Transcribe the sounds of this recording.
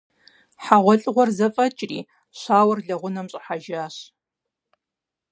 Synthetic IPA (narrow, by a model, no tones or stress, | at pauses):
ħaʁʷɔɬʼʁʷɔrzɐfʼɐt͡ʃʼriː | ɕʷaːwɐrɮɐʁʷʊnɐmɕʼɐħaʒaːɕ